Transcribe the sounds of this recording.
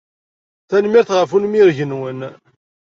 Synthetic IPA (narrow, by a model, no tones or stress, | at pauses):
θænmiɾθʁəfunmiɾʝənwən